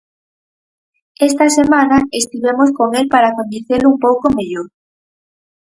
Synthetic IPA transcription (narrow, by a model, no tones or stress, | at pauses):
est̪ɐsemanaest̪iβemoskoŋelpaɾaːkond̪iθelʊumpowkomeʎoɾ